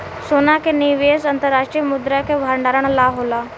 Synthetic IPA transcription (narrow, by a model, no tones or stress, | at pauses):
sonakeniʋesɐnt̪əɾːaʂʈɾijəmʊd̪ɾakebʱaɾɳɖaːɾəɳ̃laɦola